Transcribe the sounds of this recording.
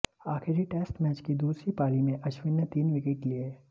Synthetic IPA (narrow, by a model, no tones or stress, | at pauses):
aːxɪɾiʈeːsʈmɛːt͡ʃkid̪uːsɾipaːlimẽʔɐt͡ʃwɪnːət̪iːnʋɪkeʈlieː